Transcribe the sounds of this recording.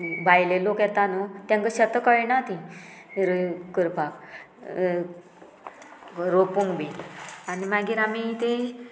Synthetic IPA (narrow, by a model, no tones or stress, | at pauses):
bʱajlelokjɛt̪anot̪jãŋkəɕət̪əkəɭnat̪ĩɾkəɾpʰak | ɾopuŋɡbianimaɡiːɾamit̪e